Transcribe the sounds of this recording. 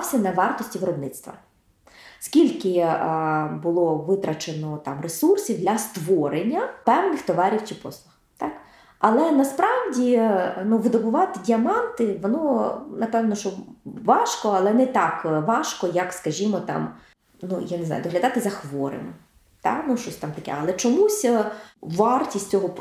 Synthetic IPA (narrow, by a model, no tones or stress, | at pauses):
wsʲɐnɐʋɑrt̪ɔsʲtʲiʋɪɾɔbnɪt̪st̪ʋɐ̰ | skʲilʲkɪ | bʊlˠɔʋɪt̪ɾɐt͡ʃenɔt̪ɑmresursʲiwd̪lʲɐst̪ʋɔɾenʲːɐpɛwnɪxt̪ɔʋɑɾʲiwt͡ʃipɔslˠʊx | t̪ɑk | ɐlˠɛnɐspɾɑwdʲinuʋɪd̪ɔbʊʋɑt̪ɪdʲiɐmɑnt̪ɪʋɔnɔnɐpɛwnɔʃt͡ʃɔʋɑʃkɔɐlˠɛnɛt̪ɑkʋɑʃkɔjɐkskɐʒʲimɔt̪ɑ̰m | nujaneznɑ̰ʊd̪ɔɦlʲɐd̪ɑt̪ɪzɐxʋɔɾḛnɔ | t̪ɑ̰nuʃt͡ʃɔsʲt̪ɑmt̪ɐkɛ̰ɐlˠɛt͡ʃɔmusʲʋɑrtʲisʲt͡sʲɔɦɔ